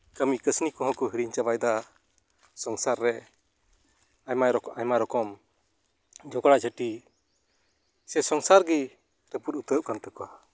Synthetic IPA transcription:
kamikəsnikɔɦɔ̃kuɦiɾiɲt͡ʃabajd̪a | sɔŋsaɾːɛ | ajmaɾɔajmaɾɔkɔm | d͡ʒɔɡɔɽad͡ʒəʈi | sɛsɔŋsaɾɡi | ɾəpuɾut̪əp̚kant̪əkɔwa

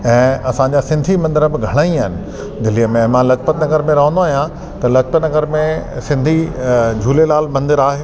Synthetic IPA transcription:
ɛ̃ːɐsãɲd͡ʑasɪ̃nd̪ʱimɐ̃nd̪ɪɾəbɪɡʱɐɽ̃aːĩɦɪnɪ̆ | d̪ɪliəmẽmãlɐt͡ɕpət̪nɐɡəɾmẽɾɐɦə̃nd̪oaːɦijã | t̪ɐlɐt͡ɕpət̪nɐɡəɾmẽsɪ̃nd̪ʱid͡ʑʱuːlelaːlmɐ̃nd̪ɪɾaːɦeː

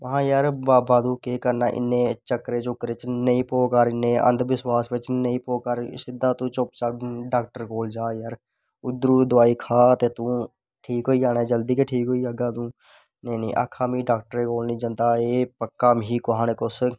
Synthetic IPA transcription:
ʋəɦãːjaɾbaːbaːd̪uːkekəɾnaːʔɪ̰nːẽːt͡ʃəkːɾet͡ʃʊkɾet͡ʃnəĩːpoːkəɾɪnːẽːʔə̰̃nd̪ʋɪswaːsʋɪt͡ʃnəĩːpoːkəɾsɪd̪ːãːt̪ũːt͡ʃopt͡ʃaːɖaːk̚ʈəɾkoːld͡ʒaːjaɾ | ʊd̪ɾuːd̪ʊaːiːkʰaːt̪eːt̪ũː | ʈʰiːkɦoːiaːnad͡ʒəld̪iːkeʈʰiːkɦoːiaːɡaːt̪ũː | nəinĩʔa̰ːkʰaːmiːɖaːk̚ʈəɾekoːlnĩːd͡ʒə̃nt̪aːeːpəkːaːmɦiːkoɦaːnekʊs

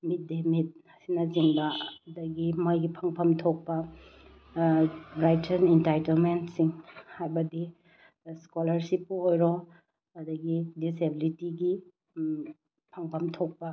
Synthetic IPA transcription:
mit̚demit̚ | sinɐziŋbɐːdɐɡimojɡipʰɐŋpʰɐmtʰok̚pɐ | ɾajtɐnentajtɐlmentsiŋhajbɐdi | skolɐɾsipːuojɾo | ɐdɐɡidisebilitiɡi | pʰɐŋpʰɐmtʰok̚pɐ

